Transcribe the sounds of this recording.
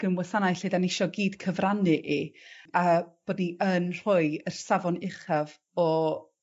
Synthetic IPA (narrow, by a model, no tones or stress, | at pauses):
ɡ̥əmwəsanajɬedanɪʃɔɡiːd̥kʰəvranɨʔiab̥oːdniənr̥ʊɨərsavɔnɪχav | ɔ